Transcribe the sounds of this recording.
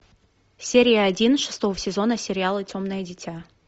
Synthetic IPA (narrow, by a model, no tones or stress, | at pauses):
sʲeɾʲɪjəɐdʲinʂɨ̥st̪ovəsʲɪzo̞nəsʲɪɾʲɪalˠɨtʲo̞mnəjədʲɪtʲa